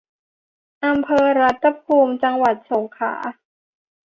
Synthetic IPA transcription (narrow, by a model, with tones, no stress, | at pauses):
ʔa˧mpʰɤː˧ɾa˦˥t̪ʰːa˧pʰuː˧mt͡ɕa˧ŋwa˨˩t̪̚so˩˦ŋkʰa̰ː˩˦